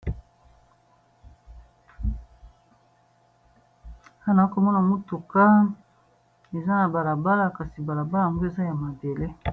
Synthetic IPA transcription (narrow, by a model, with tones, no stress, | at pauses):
ha˦na˨˦ko˨mɔ˦na˨mo˦tu˨ka˦ | e˨za˦na˨ba˨la˨ba˦la˨ka˨si˨ba˨la˨ba˦la˨a˨ŋɡo˦e˨za˦ja˨ma˨de˨le˦